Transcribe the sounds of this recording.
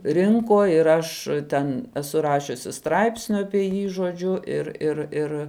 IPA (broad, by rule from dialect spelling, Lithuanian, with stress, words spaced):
ˈrʲɪŋkoː ɪr ˈɐʃ ˈtʲɛn ɛˈsʊ ˈrɑːʃʲʊsʲɪ ˈstrɐɪpʲsʲnʲʊ ɐpʲiɛ ˈjiː ʒoːˈd͡ʒʲʊ ˈɪr ɪr ˈɪr